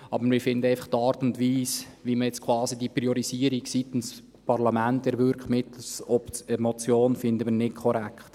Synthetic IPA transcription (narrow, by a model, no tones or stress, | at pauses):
ɑbəɾmɪfɪnd̪əɛɪfɑχt̪ɑːɾtʊntʋiːsʋiməjɛt͡skʰwɑːsidipɾioɾiziəɾiɡsit̪ɪns | pɑɾlɑmæntɛɾvʏɾkmɪtsɔpəmɔt͡sjoːnfɪnd̪əmənɪtkʰɔɾækχt̪